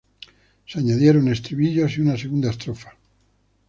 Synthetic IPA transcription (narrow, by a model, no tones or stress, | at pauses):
seaɲaðjeɾo̞ne̞st̪ɾiβiʎoasiunas̬eɣund̪aest̪ɾofḁ